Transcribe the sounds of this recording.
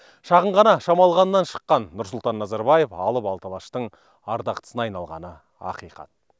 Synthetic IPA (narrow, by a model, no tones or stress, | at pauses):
ʃɑʁəɴʁɑnɑʃɑmɑlˠʁɑnəːɑnʃə̥qːɑnːʊɾsʊlˠt̪ɑnːɑzɑɾbɑjefɑlˠəpɑlˠt̪ɑlˠɑʃt̪əɴ | ɑɾd̪ɑqt̪ə̥sənɑjnɑlˠʁɑ̰nə | ɑ̰qijqɑ̰t̪̚